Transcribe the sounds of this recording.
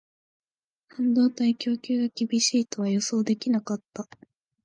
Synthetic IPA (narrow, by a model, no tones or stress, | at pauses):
hãnd̪o̞ːt̪aikʲo̞ːkʲɨːɡakʲibʲiɕiːt̪o̞βajo̞so̞ːd̪e̞kʲinakat̪ːa